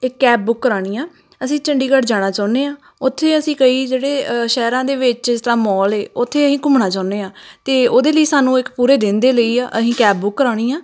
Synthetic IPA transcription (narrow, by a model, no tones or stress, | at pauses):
ɪkːɛːb̚bʊkːəɾaːɽ̃iːãː | əsĩːt͡ʃəɳɖiːkəʈd͡ʒaːɽ̃aːt͡ʃaːʊneːãː | ʊt̪ʰːeːəsĩːkəiːd͡ʒeːɽeːʃɛːɾãːd̪eːʋɪt͡ʃɪst̪əɾãːmɔːleːʊt̪ʰːeːəsĩːkʊmɳaːt͡ʃaːʊneːãːt̪eːoːd̪eːləiːsaːnũːɪkpuːɾeːd̪ɪnd̪eːləiːaːʔəsĩːkɛːb̚bʊkːəɾaːɽ̃iːãː